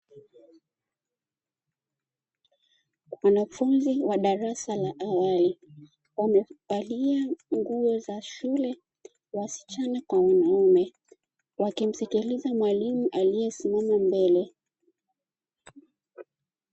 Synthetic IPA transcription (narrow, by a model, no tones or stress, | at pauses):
wanafunziwaɗaɾasalaʔawali | wamɛpaliaŋɡuɔzaʃulɛ | wasi̥t͡ʃanakwawanaumɛ | wakim̩sɛkilizamwalimuʔalijɛsimamambɛlɛ